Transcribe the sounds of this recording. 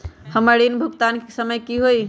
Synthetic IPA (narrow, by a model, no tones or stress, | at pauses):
həməɾinbʱuɡt̪ankesəməjkiɦoj